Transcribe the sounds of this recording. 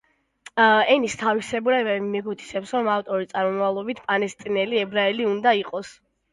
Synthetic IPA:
ɛnist̪ʰavisɛbuɾamɛɡut̪ʰi̥sɛpsɾɔmaft̪ʼɔɾit̪sʼaɾmɔmavlˠɔbit̪ʰpʼalɛst̪ʼinɛliɛbɾaɛliund̪aiqʼɔs

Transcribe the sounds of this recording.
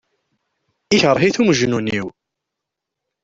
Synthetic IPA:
içəɾˤɦiθumʒnunḭw

